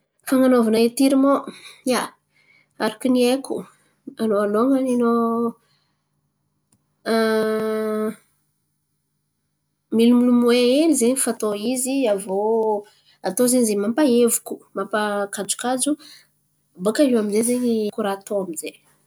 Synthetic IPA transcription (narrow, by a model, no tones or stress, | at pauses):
faŋanovanaet̪iɾimoja | aɾakunieku | anoaloŋənino | milumilumueelizeɲifat̪oiziavo | at̪ozeɲizemampaevuku̥mampakad͡ʒu̥kad͡zu | bakaiwaminzezeɲikuɾat̪oamize